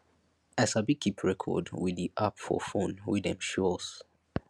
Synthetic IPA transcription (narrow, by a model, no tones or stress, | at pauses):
asabikʰːipʰɹɛkʰɔ̰dwidiʔapfɔ̰fõnwidɛ̃mʃɔs